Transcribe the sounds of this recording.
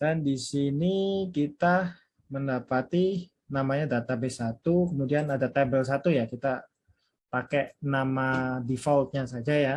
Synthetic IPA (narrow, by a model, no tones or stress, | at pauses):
d̥andisinikit̪a | məndapat̪i | namaɲadat̪abesat̪ukəmudianadat̪abɛls̬at̪ujakit̪a | pakɛnamadifɔlt̪̚ɲasad͡ʒaja